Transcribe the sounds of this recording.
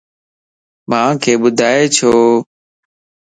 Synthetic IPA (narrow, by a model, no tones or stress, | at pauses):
mãːkʰeːɓʊd̪ʱaːeːt͡ʃʰoː